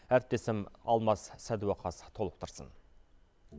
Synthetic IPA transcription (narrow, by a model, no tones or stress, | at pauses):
æɾɪp̚t̪e̞sɪmɑ̰lˠmɑssæd̪uwɑqʰɑst̪ʰo̞lˠəp̚t̪ʰəɾsə̰n